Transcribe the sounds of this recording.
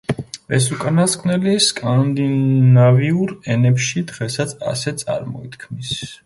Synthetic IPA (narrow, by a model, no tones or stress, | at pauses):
ɛsukʼanaskʼʰnɛliskʼand̪inaviuɾɛnɛpʃid̪ʁɛsat̪sʰa̰sɛt̪sʼa̰ɾmɔ̰it̪kʰmis